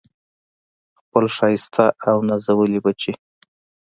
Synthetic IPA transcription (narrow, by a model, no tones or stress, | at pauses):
xpəlʃɑjɪst̪ʰaʔawnazawəlibat͡ʃe